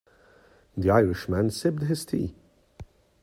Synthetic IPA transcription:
ðiaɪɹɪʃmæ̃nsɪb̚d̪ɦɪst̪ʰḭː

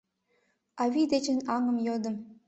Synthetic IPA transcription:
ɑβʲid̪et͡ɕɘ̆nɑŋɤ̆mjod̪ɤ̆m

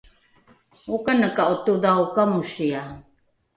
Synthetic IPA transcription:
ukanəkaʔutudaukamuʃia

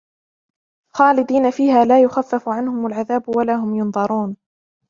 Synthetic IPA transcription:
xɑːlɪd̪iːnafiːhaːlaːjʊxafːafʊʕanhʊmalʕaðaːbʊwalaːɦʊmjʊnðˤɑɾˤuːn

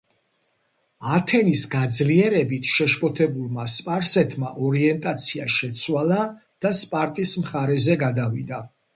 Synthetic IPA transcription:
at̪ʰɛnisɡad̪zliɛɾɛbit̪ʰʃɛʃpʼɔt̪ʰɛbulˠmaspʼaɾsɛt̪ʰmaʔɔɾiɛnt̪ʼat̪sʰiaʃɛt̪sʰwala | d̪̥aspʼaɾt̪ʼismχaɾɛzɛɡad̪avid̪a

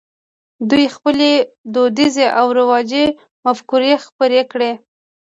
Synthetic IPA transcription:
d̪ujxpəled̪od̪izeʔawɾɪwɑd͡ʒe | mafkuɾexpəɾekɽe

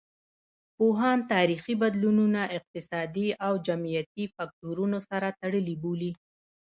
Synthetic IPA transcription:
poɦɑnt̪ɑɾixibad̪lununaʔɪq̚t̪ɪsɑd̪iawd͡ʒamijat̪ifak̚toɾunosaɾat̪aɽəliboli

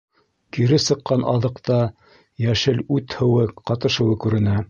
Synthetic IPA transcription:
kiɾɘsɤ̆qːɑnʔɑðɤ̆qt̪ɑ | jæʃɘlʉt̪hɘ̆wɘqɑt̪ɤ̆ʃɤ̆wɤkʉɾɘ̆næ

